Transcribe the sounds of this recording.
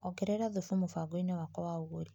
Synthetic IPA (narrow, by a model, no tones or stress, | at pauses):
ɔɡɛɾɛɾaðufumofaɡoinewakɔwauɣoɾi